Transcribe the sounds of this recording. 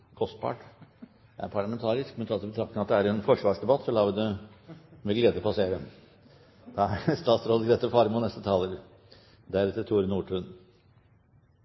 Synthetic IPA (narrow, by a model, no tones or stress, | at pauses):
kʰɔst̪̚pʰɑ̰ːʈ | jæ̰æ̰ɾpʰɑɭɑmɛnt̪ʰɑːɾɪsk̚mɛnt̪ʰɑːt̪ɪbət̪ʰɾɑkt̪ɪŋɑt̪d̪ɛæɾɛnfɔʂʋɑːʂd̪ɛbɑt̪ːsɔlɑːʋəd̪ə | mɛɡleːd̪əpʰɑseːɾə | d̪̥ɑæɾst̪ɑːt̪sɾoːd̪əɡɾeːt̪əfɑɾmʊnɛst̪ət̪ʰɑːləɾ | d̪æɾɛt̪ːət̪ʰuːɾnuːʈʰʉːn